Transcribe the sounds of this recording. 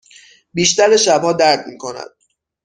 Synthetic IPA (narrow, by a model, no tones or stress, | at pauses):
biːʃt̪æɾeʃæbhɒːd̪æɾd̪miːkʰo̞næ̰d̪̥̚